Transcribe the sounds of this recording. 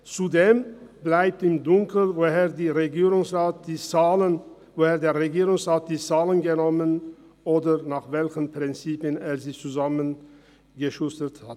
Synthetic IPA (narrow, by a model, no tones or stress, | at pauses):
t͡sudeːmblaɪp̚tɪmdʊŋkl̩voeːɐdiʁeɡiːʁʊŋsʁaːt̚d̥ilə | voheːɐdeːɐʁeɡiːʁʊŋsʁaːt̚d̥iːt͡saːlənɡənɔmən | ʔoːdɐnaːχvɛlçənpʁ̥ɪnt͡siːpəneːɐziːt͡suzamən | ɡəʃʊstəthat